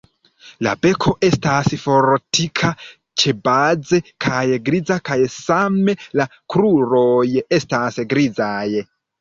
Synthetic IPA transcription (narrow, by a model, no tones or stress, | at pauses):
la̰be̞kʰo̞ʔe̞stasfo̞ɾtikʰa | t͡ʃe̞bad͡ze̞kʰajɡɾid͡zakajsame̞lakɾuɾo̞je̞stasɡɾid͡zaj